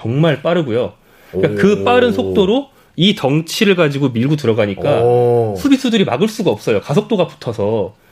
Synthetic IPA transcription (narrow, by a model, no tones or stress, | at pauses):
t͡ɕʌŋmaɭp͈aɾɯɡujo | k͈akɯp͈aɾɯnsʰok̚t͈oɾo | itʌŋt͡ɕʰiɾɯɭɡad͡ʑiɡomiɭɡut̬ɯɾʌɡaɲikk͈asʰubisʰudɯɾimaɡɯɭs͈uɡaʌp̚s͈ʌjokasʰok̚t͈oɡapu̥tʰʌsʰʌ